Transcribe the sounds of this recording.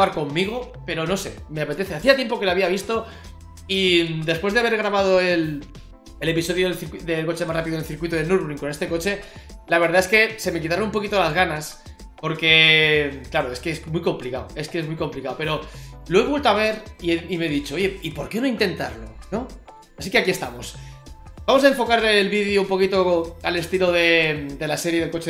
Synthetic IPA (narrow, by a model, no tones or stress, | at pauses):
aɾko̞mːiɣ̞o̞ | pe̞ɾo̞no̞se̞̰me̞ape̞t̪e̞θeaθiat̪je̞mpo̞ke̞laβ̞iaβ̞ist̪o̞ | id̪e̞spwe̞zðeaβe̞ɾɣɾaβað̞o̞e̞l | ele̞piso̞ðjoðelθiɾkiðelko̞t͡ʃemasrapiðoelθiɾkwit̪oðenuɾβɾiŋkone̞st̪e̞ko̞t͡ʃe̞laβe̞ɾðaeske̞se̞me̞k̬it̪aɾonump̬o̞kit̪olazɣanas | po̞ɾke̞klaɾoe̞skeesmwujko̞mplikaoe̞skeezmujko̞mplikaope̞ɾolo̞eβwe̞lt̪oaβ̞e̞ɾieime̞ðit͡ʃooʝe̞ipo̞ɾke̞no̞int̪e̞nt̪a̰ɾlo̞̰no̞ | asikeakiest̪amo̞s | b̥amo̞sae̞ɱfo̞kaɾelβiðjoumpo̞kit̪oalest̪iloðe̞d̪e̞lase̞ɾjeðelko̞t͡ʃe